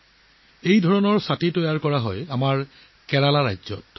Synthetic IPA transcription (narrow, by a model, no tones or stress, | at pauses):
ejdʱɔɹɔnɔɹsatitɔjaɹkɔɹaɦɔjamaɹ | kɛɹalaɹajzɔ̰t̚